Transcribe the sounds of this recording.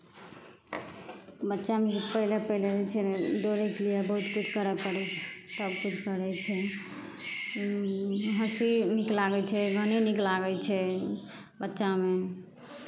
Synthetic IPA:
bətːʃamed͡ʒepəilepəɦiled͡ʒɛt͡ʃʰɛd̪oɾɛkeliebəɦut̪kut͡ʃʰkəɾɛpəɽɛt̪əbkut͡ʃʰkəɾɛt͡ʃʰɛ | ɦəsiniklaɡɛt͡ʃʰɛɡʱəniniklaɡɛt͡ʃʰɛ | bətːʃame

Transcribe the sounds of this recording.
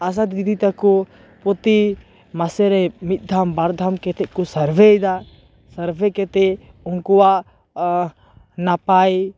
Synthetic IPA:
as̬ad̪ɡid̪it̪akɔ | pɔt̪i | masɛɾɛmit̪̚ˀd̪ʱambaɾd̪ʱamkɛt̪ɛʔ̚kusɐɾbʱed̪a | sɐɾbekɛt̪ɛ | uŋkɔwaʔ | napai

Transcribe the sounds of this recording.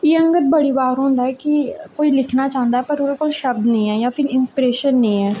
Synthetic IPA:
jeːə̃ŋɡəɾ̚bəɽiːbaːɾɦõːnd̪aɦɛːkikoːilɪkʰnat͡ʃãːnd̪aɦɛpəɾuɾekoːlʃəb̚d̪nəĩːɦɛːjaːpʰɪɾɪnspiɾeːʃənːəĩːɛː

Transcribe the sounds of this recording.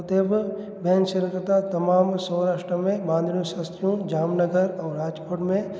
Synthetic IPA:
t̪eːbʱ | bʱɛːnʃəɾkɾət̪at̪ɐmaːmsəwɾaːʃʈɾəmẽbãːnd̪ʱnjõʃaːst̪ɾijõd͡ʒaːmnəɡəɾɔːɾaːd͡ʒkoːʈmẽ

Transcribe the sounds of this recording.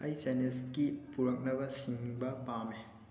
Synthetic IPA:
ɐjd͡ʒaneskipuɾɐk̚nɐbɐsiŋbɐpame

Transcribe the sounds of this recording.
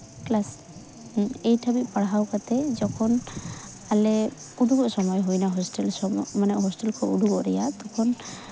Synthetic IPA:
klas | ejʈʰabit̪̚paɽɦawkat̪ɛd͡ʒɔkʰɔn | alɛ | ud̪uɡɔʔsɔmɔjɦujnaɦɔsʈɛlsɔmmanaʔɦɔsʈɛlkʰɔʔud̪ʱuɡɔʔɾɛjat̪ɔkʰɔn

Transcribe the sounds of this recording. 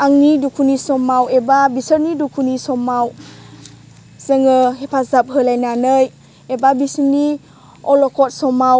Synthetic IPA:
aŋnidukʰunisɔmawebabisəɾnidukʰunisɔmaw | z̥əŋɯɦepʰazap̚ɦɯlajnanəj | ebabisini | ɔlɔkʰɔt̚sɔmaw

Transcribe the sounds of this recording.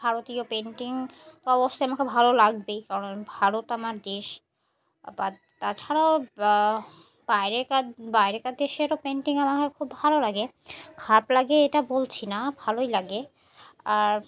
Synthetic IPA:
bʱaɾot̪iopeɳʈiŋt̪oɔbost̪ejamakebʱalolaɡ̚bejkaɾonbʱaɾot̪amaɾd̪eʃ | ba | t̪at͡ɕʰaɾao | b̥ajɾekabajɾekad̪eʃeɾopeɳʈiŋamakekʰubːʱalolaɡekʰaplaɡeeʈabolt͡ɕʰinabʱalojlaɡe | aɾ

